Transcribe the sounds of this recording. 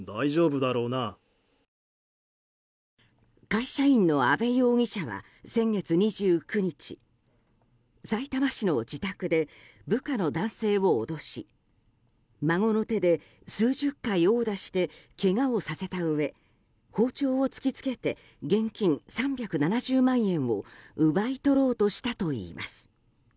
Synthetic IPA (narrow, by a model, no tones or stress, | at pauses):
d̪aiʑo̞ːbɯd̪aɾo̞ːna | kaiɕaĩnːo̞abe̞jo̞ːŋ̟ʲiɕaβa̰ | sẽ̞ŋɡe̞t͡sɨɲ̟iʑɨːkɯ̟ɲ̟it͡ɕḭ | sait̪amaɕino̞d͡ʑit̪akɯ̟d̪e̞ | bɯ̟kano̞d̪ãɰ̃se̞ːβo̞ːd̪o̞ɕi | maŋo̞no̞t̪e̞d̪e̞ | sɨːʑɨkːaio̞ːd̪aɕi̥t̪e̞ke̞ŋaosase̞t̪aɯ̟e̞ | ho̞ːt͡ɕo̞ːot͡sɨ̥kʲit͡sɨ̥ke̞t̪e̞ | ɡẽ̞ŋkʲĩŋsãmbʲjakɯ̟nanaʑɨːmãɰ̃ẽ̞ɰ̃o̞̰ɯ̟bait̪o̞ɾo̞ːt̪o̞ɕi̥t̪at̪o̞ḭːmʔa̰sɨ̥